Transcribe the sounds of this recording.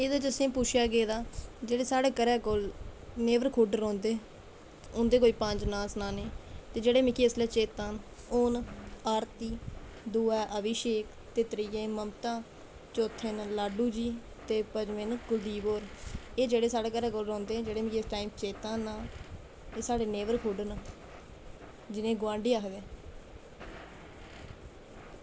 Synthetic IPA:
eːd̪aːd͡ʒəsĩːpuːt͡ʃʰjaːɡeːd̪aːd͡ʒeːɽeːsaːɽeːkəɾɛːkolneːʋəɾkʰuɖɾõːnd̪eː | ʊnd̪eːkoːiːpə̃nd͡ʒnãːsnaːneːt̪eːd͡ʒeːɽeːmɪ̃ːkeːslɛːt͡ʃeːt̪aːn | ʊnaːɾt̪iː | d̪uːɛːʔəʋɪʃeːk | t̪eːt̪ɾiːjẽːməmt̪ãː | t͡ʃoːt̪ʰːenlaːɖuːd͡ʒiː | t̪eːpəd͡ʒmɪnkʊd̪iːboːɾeːd͡ʒeːɽeːsaːɽeːkəɾɛːɡolɾɔ̃ːnd̪ẽːd͡ʒeːɽeːmɪkesʈaːimt͡ʃeːt̪ãːnaː | eːsaːɽeːneːʋəɾkʰuɖən | d͡ʒɪnẽːɡʋãːɳɖeːaːkd̪eː

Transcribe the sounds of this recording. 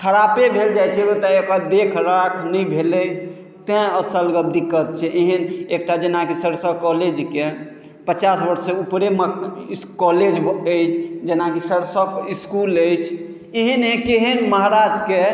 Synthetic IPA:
kʰəɾapebʱeld͡ʒajt͡ʃʰɛbət̪aekad̪ekʰɾakʰnəjbʱeləj | t̪ɛ̃əsəlɡəb̚d̪ikːət̪̚t͡ʃʰɛʔeɦənek̚ʈad͡ʒenakisəɾsəkɔled͡ʒke | pət͡ʃasbəɾseupɾeməkɔled͡ʒəjt͡ʃʰd͡ʒenakisəɾsəkiskuləjt͡ʃʰ | eɦənɦẽkeɦənməɦɾad͡ʒke

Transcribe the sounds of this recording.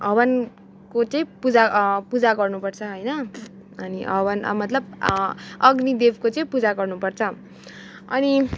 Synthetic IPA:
ɦʌbʌn | kot͡sʌĩpud͡zapud͡zaɡʌrnupʌrt͡sʰʌɦojnʌ | ʌniɦʌbʌn̰mʌt̪lʌb | ʌɡnid̪ebkot͡sʌĩpud͡zaɡʌrnupʌrt͡sʰʌ | ʌni

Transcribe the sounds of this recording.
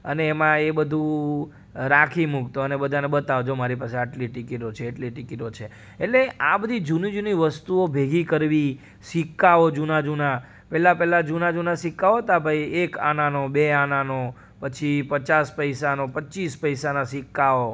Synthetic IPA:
əneːmãebəd̪ʱũ | ɾakʰimukt̪oənebəd̪ʱanebət̪aʋod͡ʒomaɾipaseaʈliʈɪkiʈot͡ʃʰeːʈliʈɪkiʈot͡ʃʰe | eʈleabəd̪ʱid͡ʒunid͡ʒuniʋəst̪uobʱeɡʱikəɾʋi | sikːaod͡ʒunad͡ʒuna | pɛlapɛlad͡ʒunad͡ʒunasɪkːaoɦət̪abʱaieka̰nanobeanano | pət͡ʃʰipət͡ʃaspəisanopətːt͡ʃispəjsanasɪkːao

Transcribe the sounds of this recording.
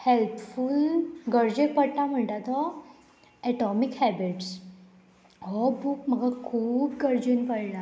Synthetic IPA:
helpfulɡəɾd͡ʑepəɽt̪am̤əɳʈat̪ɔ | ɛʈɔmikhɛbiʈs | ɦɔbuːk̚m̤əɡakʰuːpɡəɾd͡ʑinpəɽla

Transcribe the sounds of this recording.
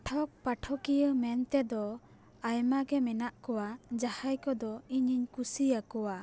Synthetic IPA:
ʈʰɔk̚paʈʰɔkijəmɛnt̪ɛd̪ɔ | ajmaɡɛmɛnaʔkɔwad͡ʒahajkɔd̪ɔiɲiɲkusijakɔwa

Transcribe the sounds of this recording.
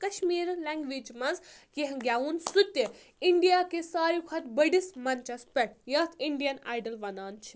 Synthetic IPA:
kɐʃmiːɾlɛŋɡʋiːd͡ʒmɐnzkiɦɡʲjaːunsut̪ʲːe | iɳɖijaːkesaːɾjukʰɐt̪bɐɖismɐnt͡ʃɐspʲɐʈ̚jɐt̪ʰiɳɖijɐna̰ːjɖɐlʋɐnaːnt͡ʃʰi̥

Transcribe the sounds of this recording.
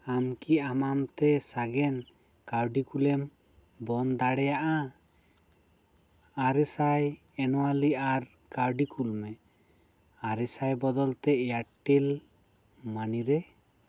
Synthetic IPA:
amkiamamt̪ɛsaɡɛnkaɾɖikulɛmbɔnd̪aɽɛjaʔa | aɾɛsajɛnɔwaliaɾkaɾɖikulmɛ | aɾɛsajbɔd̪ɔlt̪ɛjaʈːil | maniɾɛ

